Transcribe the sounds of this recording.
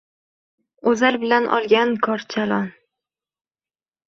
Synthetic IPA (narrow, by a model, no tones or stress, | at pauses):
ɵzalbɪlanʔɒ̰lˠɡʲankʰɒɾt͡ʃʰalɒn